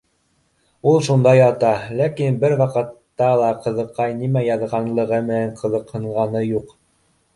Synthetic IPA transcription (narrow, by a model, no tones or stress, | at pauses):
ulˠʃund̪ɑjɑt̪ɑlækinbɘɾwɑqɤ̆t̪ːɑlˠɑqɤ̆ðɤ̆qːɑjnimæjɑðʁɑnlˠɤ̆ʁɤmɘ̆næɴqʰɤ̆ðɤ̆qhɤ̆ɴʁɑnɤjuq